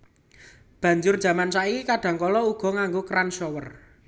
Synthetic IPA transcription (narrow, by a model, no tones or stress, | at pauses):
b̥ä̤ɲd͡ʒʊrd̥ʒ̥ä̤mansaʔikikaɖ̥ä̤ŋkɔlɔuɡ̥ɔ̤ŋaŋɡokɾanʃɔwər